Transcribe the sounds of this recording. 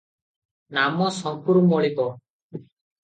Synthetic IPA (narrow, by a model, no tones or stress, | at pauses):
namɔsɔmpuɾmɔɭikɔ